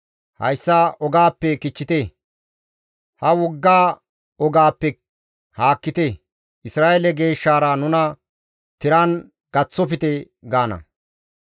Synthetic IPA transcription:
hɐ̰jsːaʔɔɡaːpːɛkɪt͡ʃːɪt̪e | hɐwɔɡːaː | ɔɡaːpːɛ | haːkːɪt̪e | ʔɪsɾaːʔɛlɛɡe̞ːʃːaːɾɐnʊnɐ | t̪ɪɾɐn | ɡ̥ɐt͡sːɔpɪt̪ɛ | ɡaːnɐ̰

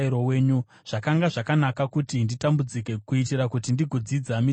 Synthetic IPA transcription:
iɾo̞we̞ːɲu | ʐ̥akaŋɡaʐakanakakutinditambud͡zike̞kuitiɾakutindiɡʱod͡zid͡zami

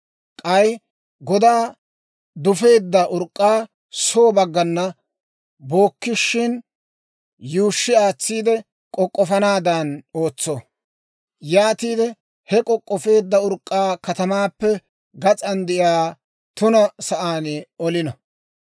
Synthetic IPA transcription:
kʼɐj | ɡɔd̪aː | d̪ʊfe̞ːd̪ːɐʔʊɾkʼːaː | soːbɐɡːɐnːɐ | bo̞ːkːɪʃːɪn | juːʃːɪaːt͡sːiːd̪ɛ | kʼɔkʼːɔfɐnaːd̪ɐnoːt͡sːo | jaːt̪iːd̪ɛ | hɛkʼɔkʼːɔfe̞ːd̪ːɐʊɾkʼːaːkɐt̪ɐmaːpːɛ | ɡɐt͡sʼɐnd̪ɪʔjaː | t̪ʊnɐsɐʔaːnɔlɪnɐ

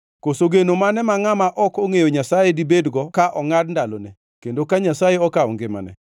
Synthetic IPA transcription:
kosoɡenomanɛmaŋamaʔɔkoŋejoɲasajedibedɡɔkaʔɔŋadndalone | kendokaɲasajeɔkaɔ̰ŋɡema̰nɛ̰

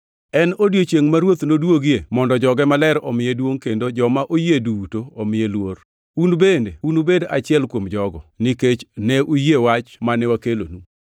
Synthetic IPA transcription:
ɛnodjot͡ʃjeŋmaɾwot̪nodwoɡjemɔndɔd͡ʒɔɡɛmalɛɾɔmɪjɛdwoŋkendod͡ʒɔmaʔojedutoɔmɪjelwor | unbendḛunubeda̰t͡ʃɪɛlkwomd͡ʒɔɡɔnɪket͡ʃnɛʔujewat͡ʃmanɛwakelo̰nu

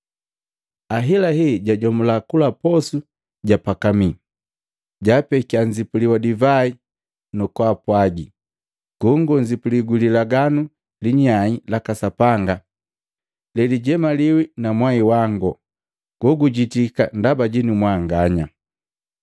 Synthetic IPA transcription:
aɦilaɦiɟaɟɔmulakulapɔsu | ɟapakami | ɟapɛkiaɲzipuliwadivai | nɔkwapwaɡi | ɡ̥ɔŋɡɔɲzipuliɡulilaɡanu | liɲailakasapaŋɡa | lɛliɟɛmaliwinamwaiwaŋɡɔ | ɡ̥ɔɡuɟitika̰ndabaɟinumwaŋɡaɲa

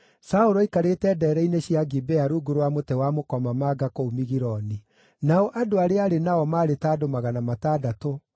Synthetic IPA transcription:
saoɾɔikaɾetɛːdɛːɾɛineɕiaɡibɛaɾuɡoɾwamotɛwamokɔmamaːɡakoumiɣiɾɔni | naɔʔadoaɾeaɾenaɔmaːɾetaːdomaɣanamataːdato

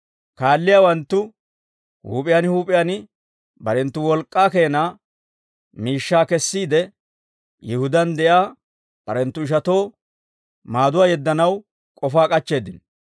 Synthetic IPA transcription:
kaːlːɪjaːwɐnt̪ːʊ | hṵːpʼɪjanhuːpʼɪjanɪ | bɐɾɛnt̪ːʊwɔlkʼːaːke̞ːnaː | miːʃːaːkɛsːiːd̪ɛ | jɪhʊd̪ɐnd̪ɛʔaː | b̥ɐɾɛnt̪ːʊɪʃ̬ɐt̪o̞ː | maːd̪ʊwaːjɛd̪ːɐnɐw | kʼɔfaːkʼɐt͡ʃːe̞ːd̪ɪn

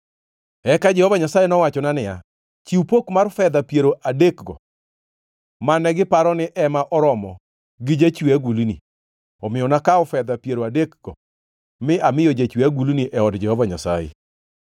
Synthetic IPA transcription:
ɛkad͡ʒɛhɔvaɲasajenɔwat͡ʃɔnanɪja̰ | t͡ʃiupokmarfɛd̪apjeɾoʔadekɡɔ | manɛɡɪpaɾɔnɪʔɛmaʔɔɾɔmɔ | ɡɪd͡ʒat͡ʃwaɡulni | ɔmɪjɔnakaɔfɛd̪apjeɾoadekɡ̥ɔ | mɪʔamɪjod͡ʒat͡ʃwaɡulniʔɛɔdd͡ʒɛhɔvaɲa̰sa̰jḛ

